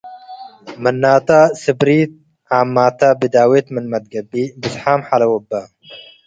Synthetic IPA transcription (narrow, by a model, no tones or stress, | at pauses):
mɐnːaːt̪asɨbɾiːt̪̚ | aːmːaːt̪abid̪aːwet̪mənmɐd̪̚ɡɐbiːbisħaːmħalɐwɐbːa